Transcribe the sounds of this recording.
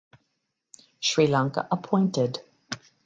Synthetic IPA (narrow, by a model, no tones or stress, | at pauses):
ʃɹilãŋkə̰ʔəpʰɔ̃ɪ̃ntɪd̥